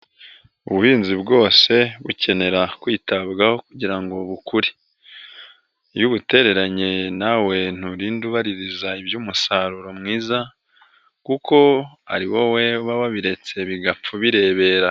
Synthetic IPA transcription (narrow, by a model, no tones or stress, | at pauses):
uβuhiːnzibɡo̞ːse̞βuce̞ne̞ɾakwiːtaβɡaho̞kuɟiɾaŋɡo̞βukuɾi̥ | juβute̞ɾe̞ɾaɲenawe̞n̥uɾiːnduβaɾiɾizaibjuːmusaɾuɾo̞mŋiːza | kukʰo̞a̰ɾiwo̞we̞βaβaβiɾe̞t͡se̞βiɡap͡fuβiɾe̞ːβe̞ːɾa